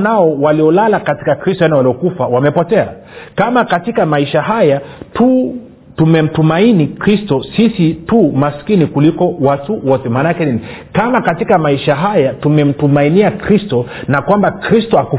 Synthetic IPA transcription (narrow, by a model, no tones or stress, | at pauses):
naɔwaliɔlalakati̥kakɾistɔanɛwaliɔkufawamɛpɔtɛa̰ | kamakatikamaiʃaɦajatu | tumɛm̩tumainikɾistɔsisitumaskinikulikɔwatuwɔtɛmanakɛninikamakatikamaiʃaɦajatumɛm̩tumainiakɾistɔnakwambakɾistɔaku